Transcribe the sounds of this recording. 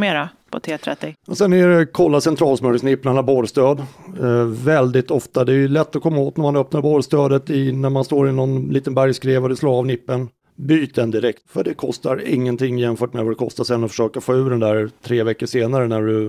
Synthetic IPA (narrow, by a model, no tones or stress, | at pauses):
meːɾapʰɔ̰t̪ʰeːt̪ʰɾɛt̪ːɪjɑsɛnæɾɛkʰɔlːasɛnt̪ʰɾɑːlsmœɾsnɪpːnaɳaboɾst̪øːd̪ | vɛld̪ɪt̪ɔft̪ad̪ɛːjɵlɛt̪ːɔkʰɔmːaoːt̪næɾmanœpnaɾboːɾst̪øːd̪ət̪ɪnæɾmanst̪oːɾɪnɔnliːt̪ənbæɾjskɾeːvɔd̪ɛsloːɾavnɪpːən | byːt̪̚d̪ɛnd̪ɪɾɛkt̪fœɖɛkʰɔst̪aɾɪ̰ŋːənt̪ʰɪŋːjɛmfœːʈmɛvad̪ɛkʰɔst̪asɛnːɔfœ̥ʂøːkafoːʉ̟ːd̪ɛnd̪æɾt̪ʰɾeːvɛkːəʂeːnaɾənæɖɵ